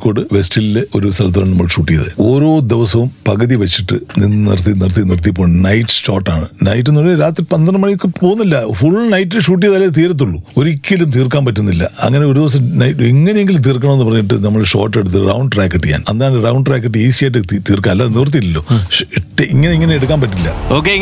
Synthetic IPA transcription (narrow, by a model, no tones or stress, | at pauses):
kːoɽɨʋestilileo̞̰ɾust̪ɐlɐt̪̬ːaːɭnɐmːɐɭʂuːʈːijɐðḛo̞ːɾo̞ːd̪eʋɐsɐʋumpɐɣɐðiʋɐt͡ɕːiʈːɨninːnḭrt̪inirt̪inirt̪̬ijp̬ːoːɭnɐjʈːɨ̥ʂo̰ːʈːaːɳɨnɐjt̬ːɨnulːɾaːt̪ripɐnd̪ɐɳɐmɐɳikʲːɨpoːɣunːɐlːɐfuɭnɐjtːilʂuːʈ̬ːijɐðɐlːet̪iːɾɐt̪̬ːuɭːuo̞ɾikʲːilumt̪̬iːrkːaːnpɐtːunːilːɐɐ̰ŋːɐne̞o̞ɾud̪iʋɐs̬ɐmnɐjeŋːɐne̞jeŋɡilmt̪̬iːrk̬ːɐɳɐmenːɨpɐrɐɲːiʈ̬ːɨnɐmːɐɭʂo̞̰ːʈːe̞ɽut̪̬ːɨrɐwɳɖraːkːɐʈːɨja̰ːnɐnd̪aːɳrɐwɳɖʈraːkːɐʈ̬ːɨiːsijeʈːɨit̪iːrkaːɐlːɐnirt̪̬iilːoːiʈːeiŋːɐne̞iŋːɐne̞eɽuk̬ːaːnpɐtːilːɐ̰oːkːe